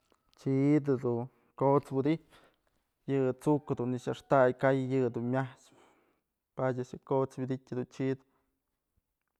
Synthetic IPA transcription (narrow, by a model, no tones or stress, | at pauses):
t͡ʃid̪ɨd̪u | kot͡swid̪ipʲ | jɨt͡sukɨd̪unːiʃaʂt̪ajkajjɨd̪unmʲaht͡ʃ | padʲaʔʃɨkot͡sbʲid̪itʲɨd̪unt͡ʃid̪